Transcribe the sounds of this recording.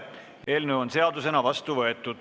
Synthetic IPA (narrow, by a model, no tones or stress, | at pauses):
ʔe̞ːlneo̞nse̞ɑd̪use̞nɑvɑst̪uvɤe̞t̪ːˑud̪̥